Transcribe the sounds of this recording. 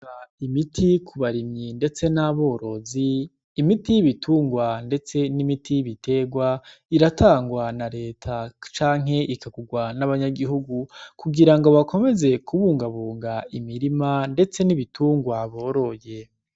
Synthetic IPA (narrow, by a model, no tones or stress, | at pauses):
aimitʰikʰuβaɾimɲinde̞t͡se̞naβo̞ːɾo̞ziː | mitijiβitʰuːŋɡwande̞t͡se̞nimitʰiβitʰe̞ɡwaiɾatʰaːŋɡwanaɾe̞ːtʰat͡ʃaːŋ̥ɦe̞ʔikaɡuɡwanaβaɲaɡiɦuɡukuɡiɾaŋɡo̞βakʰo̞me̞ze̞kʰuβuːŋɡaβuːŋɡaimiɾimande̞t͡se̞niβitʰuːŋɡwaβo̞ːɾo̞je̞